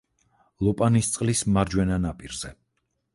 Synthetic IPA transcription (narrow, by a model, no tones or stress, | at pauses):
lˠɔpʼanist̪sʼqʼlismaɾd͡ʒwɛnanapʼiɾz̥ɛ